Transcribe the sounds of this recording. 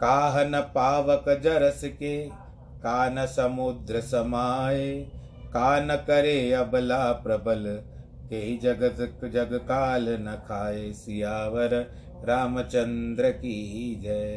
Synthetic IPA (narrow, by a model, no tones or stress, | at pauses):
kaːɦɐnɐpaːʋɐkɐd͡ʒɐɾɐsike | kaːnɐsɐmud̪ɾɐsɐmaːje | kaːnɐkɐɾeːɐbɐlaːpɾɐbɐl | keɦid͡ʒɐɡɐt̪d͡ʒɐɡɐkaːlɐnɐkʰaːjeːsijaːʋɐɾ | ɾaːmɐt͡ʃɐnd̪ɾɐkiɦid͡ʒɐ